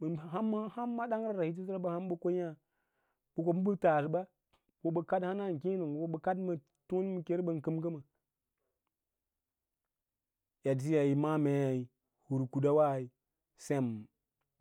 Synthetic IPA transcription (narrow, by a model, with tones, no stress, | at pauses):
ə˨ɦa˦mː˦ha˦mːa˦da˦ŋɾa˦˨ɾa˨hi˦t̬i˦s̬ɾa˦ba˦ha˦m˦bə˦ko˦a˦ | bu˨ko˨m˦bə˦ta˨s̬ba˦ | wo˨ɓə˨ka˦dha˦na˦˨ŋ˨ki˦nu˨n˨wo˦ɓə˨ka˦dmə˨ | tu˦n˦mə˨ke˦ɾbə˨nkɨ˦mɡə˦ma˨ | ja˨d͡ʒi˦ja˨i˨ma˦me˨ja˨i˨ | hu˨ɾku˨da˦wa˦˨i˨ | se˦˨m˨